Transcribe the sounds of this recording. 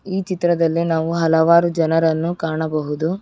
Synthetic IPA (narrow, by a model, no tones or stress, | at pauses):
iːt͡ʃit̪ɾɐd̪ɐlːinaːʋuɦɐlɐʋaːɾud͡ʒɐnɐɾɐnːukaːɳɐbɐɦud̪u